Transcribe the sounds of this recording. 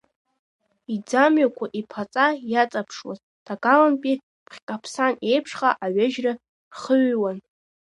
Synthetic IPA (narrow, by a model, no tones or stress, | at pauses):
id͡zamɥakʷʰaʔipʰat͡sʼajat͡sʼapʰʂwa̰z | d̥aɡalanpʼi | pʰχʲkʼapʰsane̞jpʰʂχaʔaɥaʒra | rχəɥwan